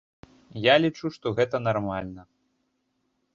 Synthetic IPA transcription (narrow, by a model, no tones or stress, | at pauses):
jalʲit͡ʂuʂt̪ɔɣɛt̪ɐnarmalʲnɐ